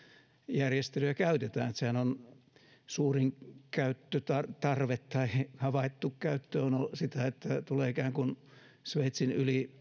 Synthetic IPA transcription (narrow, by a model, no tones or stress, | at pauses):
jærjest̪elyækæyt̪et̪æ̰ːnet̪sehænon | suːriŋkæyt̪ːøt̪ɑt̪ɑrʋet̪t̪ɑihɑʋɑit̪ːukkæyt̪ːøːonosit̪æet̪ːæt̪uleːikæːŋkun | sʋeit̪sinyli